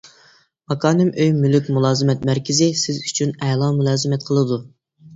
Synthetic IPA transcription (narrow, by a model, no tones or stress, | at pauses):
mɑkʰɑːnɨmøjmylykʲmulˠɑːzɨmɛt̪̚mæɾkʲʰɪzɪsɪzyt͡ʃʰynɛlˠɑmulˠɑːzɨmɛt̪̚qʰəlˠɨd̪u